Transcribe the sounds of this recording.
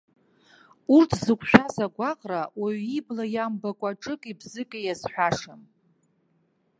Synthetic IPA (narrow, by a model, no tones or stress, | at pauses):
urtʰzɨkʷʰʼʃᶣazaɡʷaqʼrawaɥiblajambakʷʼaʈ͡ʂʼɨkʼibzɨkʼajazħʷᶣaʂam